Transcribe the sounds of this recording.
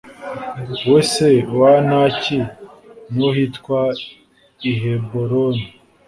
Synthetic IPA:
wesewanaci | nuhitkwa | iɦeboɾoni

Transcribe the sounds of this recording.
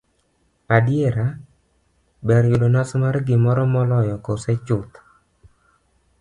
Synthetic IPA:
adɪeɾa | bɛɾjʊdonasmarɡɪmɔɾɔmɔlɔjɔkosɛt͡ʃʊt̪

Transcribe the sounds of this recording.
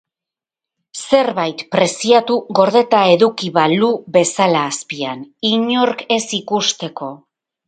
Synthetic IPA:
se̞ɾβajt̪pɾe̞siat̪uɣo̞ɾðe̞t̪ae̞ðukiβaluβe̞salaːspianiɲo̞ɾke̞sikust̪e̞ko̞

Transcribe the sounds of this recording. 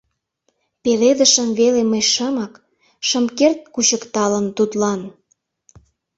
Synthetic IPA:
peled̪əʃəmβeleməjʃəmək | ʃə̆mkert̪̚kuɕəkt̪ɑlənt̪ut̪lɑn

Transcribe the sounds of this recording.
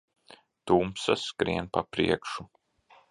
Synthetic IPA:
t̪uːmpsaskɾiɛnpapɾḭɛkʃu

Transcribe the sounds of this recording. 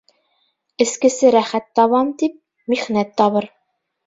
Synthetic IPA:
ɘ̆skɘ̆sɘɾæχæt̪ːɒβɑmt̪ip̚ | miχnæt̪ːɒβɤɾ

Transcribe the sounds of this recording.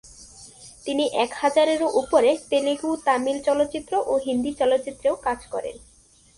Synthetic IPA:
t̪iniʔɛkhad͡ʑaɾeɾoʔupoɾet̪eliɡut̪amilt͡ɕɔlot̪ːɕit̪ːɾoʔoɦind̪it͡ɕɔlot̪ːɕit̪ːɾeokad͡ʑkɔɾḛn

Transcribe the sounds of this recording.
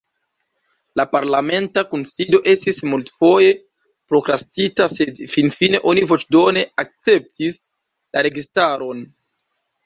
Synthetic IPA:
lapaɾlame̞ntakunsido̞ʔe̞stismultfo̞je̞ | pɾo̞kɾastitase̞dfinfine̞ʔo̞nivo̞t͡ʃdo̞ne̞ak̚t͡se̞p̚tis | laɾe̞ɡistaɾo̞n

